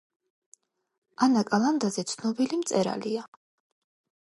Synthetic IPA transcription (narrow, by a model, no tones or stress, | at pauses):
anakʼalˠand̪azɛt̪sʰnɔbilimt̪sʼɛɾa̰lia